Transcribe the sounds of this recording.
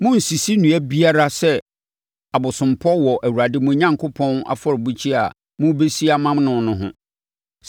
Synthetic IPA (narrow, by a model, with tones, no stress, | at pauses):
mʊ̃˦n̩˨si˨si˦nũ˨æ˦bi˦a˦ɾa˦sɛ˦ | a˨bʊ˨sʊ̃˨mpʰɔ˦wɔ˨ʔæ˨wu˨ɾa˨dɪ˦mʊ̃˨˦ɲã˦ŋkʰʊ˦pʰɔ̃˦na̰˦fɔ˦ɾbu˦t͡ɕʰi˦a̰˨ | mʊ̃˦be˦si˦a˦mã˦mnʊ̃˨nʊ̃˦ɦʊ̰̃˦